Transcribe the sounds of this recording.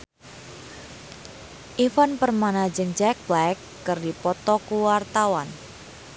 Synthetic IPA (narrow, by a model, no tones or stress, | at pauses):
ʔifanpərmanad͡ʒɨŋd͡ʒɛk̚blakːərdipɔt̪ɔkuwart̪awan